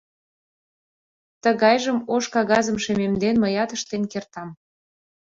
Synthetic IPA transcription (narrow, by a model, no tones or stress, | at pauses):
t̪əɣɑjʒəmoʃkɑɣɑzəmʃememd̪enməjɑt̪əʃt̪enkert̪ɑm